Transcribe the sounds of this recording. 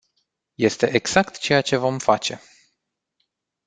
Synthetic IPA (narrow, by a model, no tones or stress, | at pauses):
je̞st̪e̞ʔeɡz̥akt̪t͡ʃe̞jat͡ʃe̞vo̞mfat͡ʃe̞